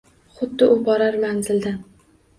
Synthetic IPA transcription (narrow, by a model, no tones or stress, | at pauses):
χʊd̪ːɪʔʊbɒɾaɾmaŋzɪld̪an